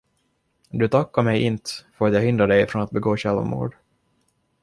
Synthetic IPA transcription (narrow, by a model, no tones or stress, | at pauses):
d̪ɵt̪ʰakːaɾmɛjʔɪnt̪fœɾat̪jahʏnd̪ɾaɖɛjfɾɔnat̪̚bɛɡoːɕɛlvmṵːɖ